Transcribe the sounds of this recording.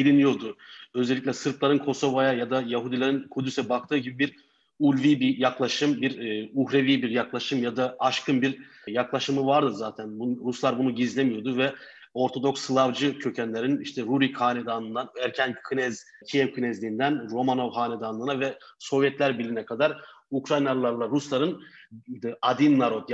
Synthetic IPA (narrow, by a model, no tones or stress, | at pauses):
ilʲinijo̞d̪ʊø̞zɛlʲːic̬ʲlʲɛsɯɾplˠaɾɯnkʰo̞so̞vajajad̪ajaɦud̪ilʲeɾinkʰud̪ysɛbak̚t̪ʰɯːɟibibiɾ | ulʲviːbijaklˠaʃɯmbiɾuhɾe̞viːbiɾjaklˠaʃɯmjad̪aaʃkʰɯnbiɾ | jaklˠaʃɯmɯvaɾd̪ɯzaːt̪ʰænbuɾuslˠaɾbunuɟizlʲemijo̞ɾd̪uvɛ | o̞ɾt̪ʰo̞d̪o̞ksːɯlˠavd͡ʒɯcʰø̞cʰænlʲe̞ɾiniʃt̪ʰɛɾuɾikhaːned̪aːnɯnd̪anæɾcʰænkʰɯnɛz̥ | cʰijɛvkʰɯnɛzlʲiːnd̪ænɾo̞mano̞vɦaːned̪aːnˠɯːnavɛso̞vjɛt̪lʲæɾbilʲinɛkʰad̪aɾukɾajnaɾlˠaɾlˠaɾuslˠaɾɯn | ad̪inːaɾot̪